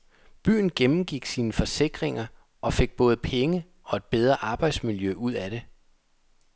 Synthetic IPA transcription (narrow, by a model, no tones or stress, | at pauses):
b̥y̰ːn̩ɡ̥emm̩ɡ̥iɡ̥siːnəfɒ̽se̝ɡ̥ʁeŋɐ | ʔɒ̽fe̝ɡ̥̚b̥ɔ̽ːð̩ˠpʰeŋə | ʔɒ̽e̝d̥̚b̥eð̞ˠʁɐʔɑ̈ːb̥ɑ̈ɪd̥smiljøʔuð̞̰ˠæɾ̥e̝